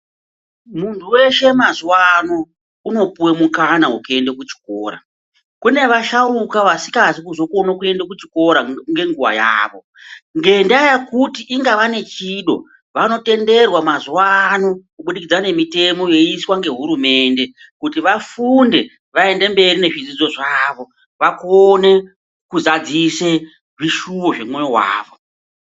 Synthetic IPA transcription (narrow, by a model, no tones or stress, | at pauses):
muntʰuwe̞ʃe̞mazwano̞ | uno̞puwemukanaɦuke̞ndekut͡ʃi̥koːɾa̰ | kune̞ʋaʃaɾukaʋasi̥kazikuzo̞konokue̞ndakut͡ʃi̥ko̞ɾaŋɡe̞ŋɡuʋa̰ja̰ːʋo̞ | ŋɡe̞ndajakutiʔiŋɡaʋane̞t͡ʃiɗo̞̰ | ʋano̞te̞nde̞rwamazuwaːnokuɓuɗikid͡zane̞mite̞mo̞je̞iswaŋɡe̞ɦuɾume̞ːnde̞ | kutiʋafunde̞ | ʋae̞nde̞mbe̞rine̞ʐid͡zid͡zo̞ʐaʋo̞ | ʋakone̞ | kuzad͡zise̞ | ʐiʃuʋoʐe̞mwe̞jowa̰ːʋo̞